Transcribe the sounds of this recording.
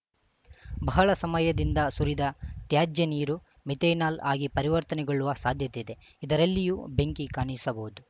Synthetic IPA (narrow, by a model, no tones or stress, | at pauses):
bɐɦɐɭɐsɐmɐjɐd̪ind̪ɐsuɾid̪ɐt̪jaːd͡ʒjɐniːɾu | mit̪eːnaːla̰ːɡipɐɾiʋɐɾt̪ɐnɛɡoɭːuʋɐsaːd̪ʱjɐt̪eid̪e̞ | id̪ɐɾɐlːijubeŋkikaːɳisɐbɐɦud̪u